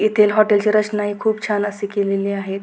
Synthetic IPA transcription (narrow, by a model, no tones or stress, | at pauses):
it̪ʰelɦɔʈelt͡ɕeɾət͡ʃnaɦikʰuːb̚t͡ɕʰanəsekeleleaɦe